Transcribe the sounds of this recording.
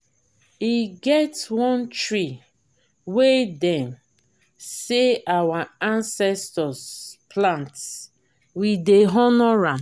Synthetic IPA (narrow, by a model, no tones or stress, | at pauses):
iɡɛtwɔ̃ntɹi | wedɛ̃m | seawaãnsɛstɔsplãnts | wideɦɔnɔɹan